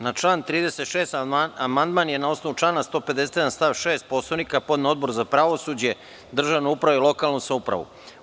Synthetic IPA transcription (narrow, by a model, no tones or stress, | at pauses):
nat͡ʃlˠaːnt̪ɾiːd̪e̞set̪ʃeːst̪amand̪maːnjenao̞sno̞ʋut͡ʃlˠaːnast̪o̞ːpe̞d̪eset̪ed̪anst̪aʋʃeːst̪̚poːslonikapo̞d̪nao̞d̪̚bo̞ɾuzapɾaʋo̞suːd͡ʑe | d̪r̩ʒaʋnoupɾaʋeilˠo̞kaːlˠnusaupɾa̰ʋṵ